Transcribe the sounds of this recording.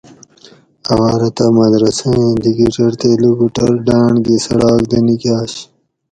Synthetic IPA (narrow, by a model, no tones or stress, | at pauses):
ɐwaːɾɐt̪amɐd̪ɾɐsẽẽd̪iɡiʈɐɾt̪eːluɡuʈɐɾɖaːɳɡesɐɽaːkd̪ɐnikjaːɕ